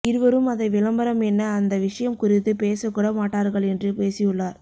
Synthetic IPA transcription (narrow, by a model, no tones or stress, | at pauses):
ɪɾɯʋɐɾɯmɐðɐɪʋɪlɐmbɐɾɐmɛnːɐːnd̪ɐʋɪʂɐjɐmkʊɾɪt̪ːɯpeːsɐkːuːɽɐmaːʈːaːɾɣɐɭɛndrɯpeːsɪjɯɭːaːɾ